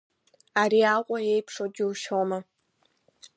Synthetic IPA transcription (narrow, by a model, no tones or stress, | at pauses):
aːɾiːaːqʷʼɔjejpʰʂod͡ʒɪwʃoːmɐ